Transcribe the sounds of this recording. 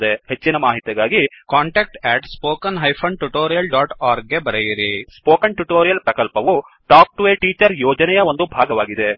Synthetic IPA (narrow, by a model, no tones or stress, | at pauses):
d̪ehet͡ʃːinɐmaːɦit̪jɐɡaːɡikaːɳʈeːk̚ʈɛːʈspoːkɐnɦɐjpʰɐɳʈuʈoːɾijɐlɖaːʈaːɾɡ̚ɡe̞bɐɾejiɾispoːkɐnʈuʈoːɾijɐlpɾɐkɐlpɐʋu | ʈaːk̚ʈuʋeːʈiːt͡ʃɐɾjɔːd͡ʒɐnɛjɐo̞nd̪ubʱaːɡɐʋaːɡid̪e̞